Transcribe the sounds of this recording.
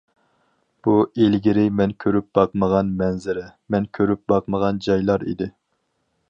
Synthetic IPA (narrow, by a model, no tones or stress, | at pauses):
b̥uelɡʲiɾɪmɛnkʲʰøɾyp̚bɑqməʁɑnmɛnzɪɾɛmɛnkʲʰøɾyp̚bɑqməʁɑnd͡ʒɑjlˠɑɾḭd̪ɪ